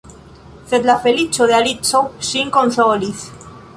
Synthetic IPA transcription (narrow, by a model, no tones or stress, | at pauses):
θet̪lafelit͡ʃoðealit͡sosiŋkonsoliθ